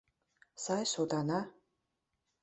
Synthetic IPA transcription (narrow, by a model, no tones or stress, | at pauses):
sajsod̪ana